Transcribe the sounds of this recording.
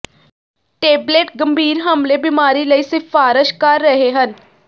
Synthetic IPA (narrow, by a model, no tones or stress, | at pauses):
ʈeːbleːʈɡəmbʱiːɾɦəmleːbɪmaːɾiːləiːsɪfaːɾɪʃkəɾːəɦeɦən